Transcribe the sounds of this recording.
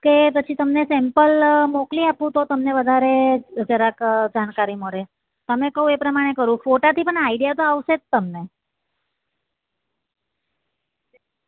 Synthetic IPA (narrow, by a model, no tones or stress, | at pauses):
kepət͡ʃʰit̪əmnesɛmpəlmokliapũt̪ot̪əmneʋəd̪ʱaɾed͡ʒəɾakd͡ʒankaɾiməɭe | t̪əmekəɦũepɾəmaɽ̃ekəɾũfoʈat̪ʰipəɳaiɖijat̪oaʋʃett̪ːəmne